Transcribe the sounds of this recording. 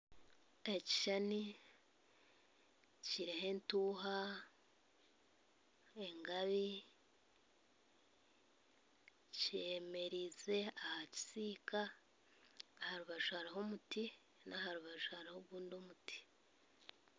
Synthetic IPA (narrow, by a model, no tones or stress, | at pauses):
eci̥ʃani | ciɾehe̞ntuːɦa | e̞ŋɡaβi | ce̞me̞ɾize̞ahaci̥siːka | haɾuβaʒuhaɾiɦo̞muti | nahaɾuβaʒuhaɾihoβuːndo̞muti̥